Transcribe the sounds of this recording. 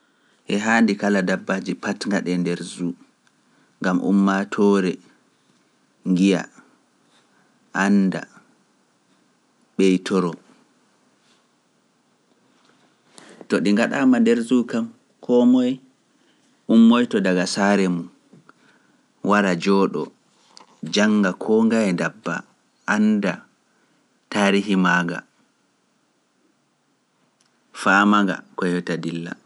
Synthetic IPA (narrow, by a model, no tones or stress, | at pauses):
ʔɛɦaːndikaladabːad͡ʒipatŋɡaɗɛndɛɾzu | ŋɡamʔṵmːatʰɔːɾɛ | ŋɡija̰ | ʔanda̰ | ɓɛjtʰɔɾɔ | tɔɗiŋɡaɗamandɛɾzukam | kʰɔmɔj | ʔumːɔjtɔdaɡasaɾɛmun | waɾad͡ʒɔːɗɔ̰ | d͡ʒaŋɡakʰɔːŋɡajɛndabːa̰ | ʔanda | taːɾiɦimaːɡa̰ | faːmaŋɡa̰kɔjɔtadilːa̰